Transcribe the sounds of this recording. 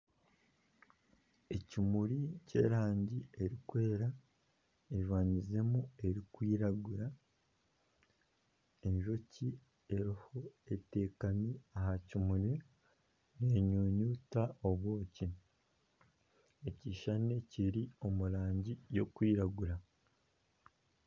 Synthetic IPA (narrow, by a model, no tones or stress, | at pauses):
e̞cimuɾice̞̰ːɾaːɲɟie̞ɾikwe̞ːɾa | eʒwaːɲize̞mue̞ɾikwiːɾaɡuɾa | e̞ɲʒo̞ci | e̞ɾiho̞e̞te̞ːkamiahacimuɾi | neːɲuːɲuːtao̞βwoːci | eciʃaneciɾio̞muɾaːɲɟijo̞kwiːɾaɡuɾa